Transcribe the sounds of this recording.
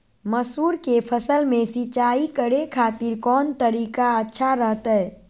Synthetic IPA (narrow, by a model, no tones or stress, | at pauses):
məsuːɾkepʰəsəlmẽsit͡ʃaːikəɽekʰaːt̪iɾkɔːnt̪əɾiːkaətːʃʰaɾəɦt̪ɛɛ